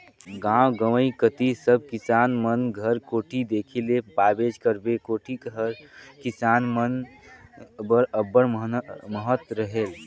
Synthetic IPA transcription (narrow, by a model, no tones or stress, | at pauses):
ɡãwɡəwəikət̪isəb̚ʱkisaːnmənɡʱəɾkoːʈʰid̪eːkʰilepabed͡ʒkəɾbekoːʈʰikɦəɾkisaːnmən | bəɾəbːəɾməɦət̪ɾəɦel